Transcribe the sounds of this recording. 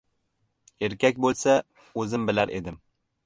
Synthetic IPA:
e̞ɾkʲakʲbolˠsa | ɵzɪmbɪlaɾʔḛd̪ɪm

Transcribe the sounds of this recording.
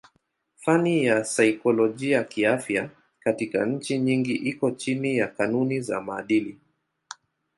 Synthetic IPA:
fanijasajikɔlɔʄiakiafja | katika̰ɲ̩t͡ʃiɲiŋɡiʔikɔt͡ʃinijakanuniza̰maːɗili

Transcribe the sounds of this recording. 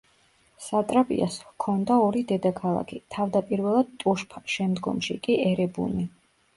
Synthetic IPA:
sat̪ʼɾapʼḭa̰skʰɔnd̪aɔɾid̪ɛd̪akʰalˠa̰kʰit̪ʰavd̪apʼiɾvɛlˠad̪̚t̪ʼuʃpʰʃɛmd̪ɡɔ̰mʃḭkʼiɛɾɛbṵni

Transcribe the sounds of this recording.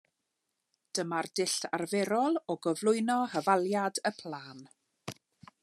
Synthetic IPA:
d̥əmardɪɬarvɛɾɔlˠɔɡəvlˠʊɨnɔhəvalˠjadəpʰl̥ˠaːn

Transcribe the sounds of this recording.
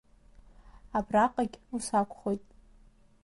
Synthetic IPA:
abraqʼaɡʲusakʷʰʼχojtʼ

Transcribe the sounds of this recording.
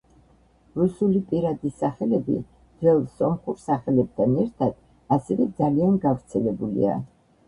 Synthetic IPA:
ɾusulipʼiɾad̪isaχɛlɛbḭ | d̪vɛlˠsɔmχuɾsaχɛlɛb̥̚t̪ʰanɛɾt̪ʰad̪̥ | asɛvɛd̪zalianɡavɾt̪sʰɛlɛbulḭa̰

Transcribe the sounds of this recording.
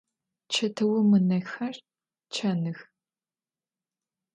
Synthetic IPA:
t͡ʃʰɐtʰɐwɐmɨnɐxɐr | t͡ʃʰɐnɨx

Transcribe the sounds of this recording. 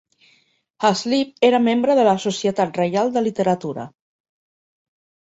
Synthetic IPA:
azlip̚eɾəmembɾəðələsusiət̪at̪rəjalˠd̪əlit̪əɾət̪uɾə̰

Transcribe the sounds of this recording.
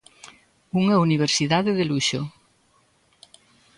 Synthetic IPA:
uŋɐuniβ̞eɾsiðaðeðeluʃo

